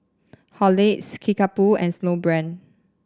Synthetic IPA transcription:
hɔleskʰikapuɛ̃nsnobɹɛ̃n

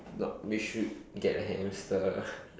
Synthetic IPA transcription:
nɔwiʃud̚ɡɛtəɦɛ̃mstə

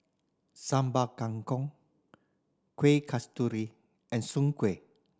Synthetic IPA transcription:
sãmbakaŋkɔŋ | kwekʰastuɾi | ʔɛ̃nsuŋkwe

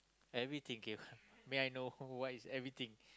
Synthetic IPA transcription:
ɛvɹit̪ĩŋkemeajnowɔtisɛvɹit̪ĩŋ

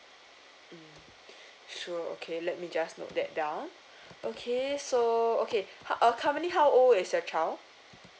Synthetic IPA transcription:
m̩ | ʃuəo̰kʰelɛt̚mid͡ʒasno̰t̚dɛt̚dãw̃n | ʔokʰesookʰehaʔʌkʰãməniɦawʔolɪsjət͡ʃa

